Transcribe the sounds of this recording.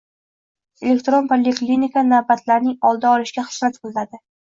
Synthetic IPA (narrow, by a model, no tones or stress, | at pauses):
elʲe̞kt̪ɾo̞npʰolʲeklʲinikʰanavbat̪ʰlaɾnɪŋɒlˠd̪aɒlɪʃɡʲaχɨ̥smat̪qʰɨlˠnad̪ɪ